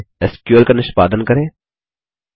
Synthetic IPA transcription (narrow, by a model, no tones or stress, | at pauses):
ɛskjuəlkanɪʃpaːd̪ənkɐɾẽː